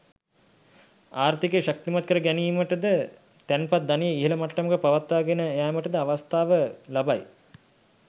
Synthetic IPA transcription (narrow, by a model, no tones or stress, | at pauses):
aːɾt̪ikeːʃak̚t̪imat̪̚kəɾəɡɛniːməʈəd̪ə | t̪ænpat̪̚d̪anijeiɦeləmaʈːəməkəpaʋat̪ːaːɡenəejaːməʈəd̪əaʋast̪aːʋəlabaj